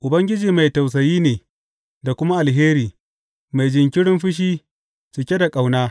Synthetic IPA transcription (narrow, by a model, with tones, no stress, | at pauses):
ʔʊ˨bɐ˦ŋɡʲɪ˦d͡ʒiː˨ma˨jta˨ws̬ɐ˨jiː˦neː˨ | da˨kʷʊ˦ma˦ʔa˨lɦeː˦ɾiː˨ | ma˨jd͡ʒɪ˨ŋkʲɪ˦ɽɪ˦mɸɪ˦ʃ̬iː˦ | t͡ʃɪ˨kʲe˦da˨kʼa˨wnaː˦